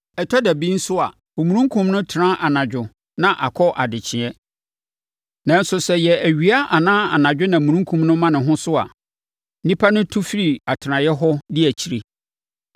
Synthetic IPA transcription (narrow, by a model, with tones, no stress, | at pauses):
ɛ˨tʰɔ˦dæ˨bĩ˦n̩˦sʊ˦a̰˨ | o˨mũ˨ɾũ˦ŋ˦kʰũ˦mnʊ̃˦tʰɪ˨ɾã˦ʔa˨nã˨d͡ʑᶣʊ˨ | nã˨ʔa˨kʰɔ˦ʔa˨dɪ˨t͡ɕʰɪ̃˨ɛ˦ | nã˨n̩˦sʊ˨sɛ˨jɛ˨æ˨ɥi˨a˦ʔa˨nãː˦a̰˨nã˨d͡ʑᶣʊ˦nã˨mũ˨ɾũ˦ŋ˦kʰũ˨mnʊ̃˦mã˦nɪ̃˨ɦʊ̃˦sʊ˦a̰˨˦ | nĩ˦pʰa˦nʊ̃˦tʰu˦fi˦ɾi˨a˨tʰɪ˨ɾã˨jɛ˦ɦɔ˦dɪ˦æ˨t͡ɕʰi˨ɾe˨